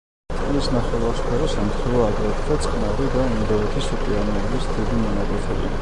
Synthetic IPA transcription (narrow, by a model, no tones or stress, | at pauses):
isnaχɛlˠaχʃpʰɛɾɔsamt̪ʰχʰɛlˠɔakʼɛt̪ʰd̪at̪sʼχnavɾid̪aimd̪ɔɛt̪ʰisipʼianiɛlisd̪id̪imɔnaɡʼɛsʰɛbḭ